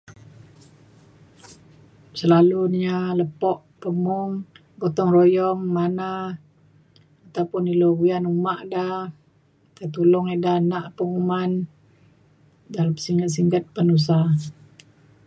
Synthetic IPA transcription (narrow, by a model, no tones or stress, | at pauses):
səlalualəpɔʔ | pəmɔŋ | ɡɔt̪ɔŋrojɔŋmana | t̪awpʊniloɡujanumaʔda | t̪at̪ulɔŋeʔdanaʔpəŋuman | dalamsiŋɡat̪̚siŋɡət̪̚pənus̬a